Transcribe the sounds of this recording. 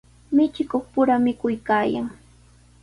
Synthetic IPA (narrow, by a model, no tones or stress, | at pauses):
mɪt͡ʃɪkoχpʊɾamɪkʊjkaːja̰ŋ